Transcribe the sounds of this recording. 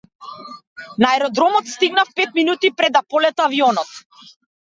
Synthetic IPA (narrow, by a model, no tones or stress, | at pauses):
naɛɾɔd̪ɾɔmɔt̪st̪iɡnafpɛt̪̚minut̪ipɾɛd̪ːapɔlɛt̪aaviɔnɔt̪